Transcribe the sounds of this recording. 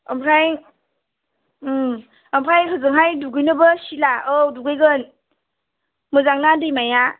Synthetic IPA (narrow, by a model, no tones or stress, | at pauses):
ampʰɾʰaj | ampʰajkʰɯzɯŋɦajduɡɯjnɯbəsilaowduɡejɡɯn | mɯzaŋnadɯjmaja